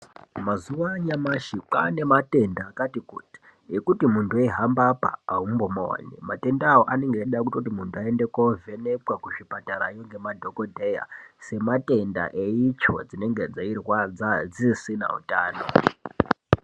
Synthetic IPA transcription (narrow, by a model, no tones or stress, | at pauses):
mazuʋaɲamaʃiǃa̰ne̞mate̞ndakatikuːti̥ | ɦekutimuntʰueɦambapa̰ːɦumbomowa̰ɲḛmate̞ndːwoʔane̞ŋɡeɗakutot̬imuntʰuae̞nde̞kovʱe̞ne̞kwakuʐipataɾa̰ijoŋɡe̞madʱo̞kodʱe̞ja̰se̞mate̞nda̰ʔe̞it͡ʃo̞̰d͡zine̞ŋɡe̞d͡zairwad͡zad͡zisina̰ṵtaːno̞